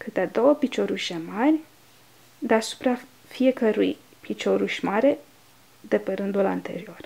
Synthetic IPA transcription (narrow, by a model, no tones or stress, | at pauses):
kɨt̪ead̪o̞wəpit͡ʃo̞ɾuʃʲemarʲ | d̪easu̥pɾa | fije̞kəɾṵj | pit͡ʃo̞ɾuʃʲmaɾe̞ | d̪e̞pe̞ɾɨnd̪ula̰nt̪e̞̰ɾio̞r